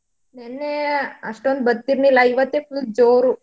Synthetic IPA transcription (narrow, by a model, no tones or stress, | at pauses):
nenːeɐ̰ʂʈond̪̚bɐd̪t̪ːiɾnilaiʋɐt̪ːefuld͡ʒoːɾu